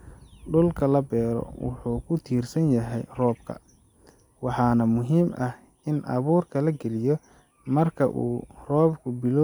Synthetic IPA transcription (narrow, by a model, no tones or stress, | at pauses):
ɖʊlkʰɐlɐbɛːɾɔ̰wɑ̰ħuːkʰʊt̪ʰiːrsɐnjɐɦɛjrɔːb̚kʰɐ̰ | wɑħɑːnɐmʊɦiːmʔɐh | ɪnʔɐ̰βuːrkʰɐlɐɡɛlɪjɔ | mɐrkʰɐ̰ʔṵːrɔːbkʰʊbɪlɔː